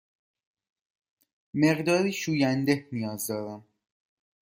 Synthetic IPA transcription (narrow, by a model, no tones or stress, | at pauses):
meɣd̪ɒːɾiːʃuːjænd̪ehnijɒːzd̪ɒːɾæm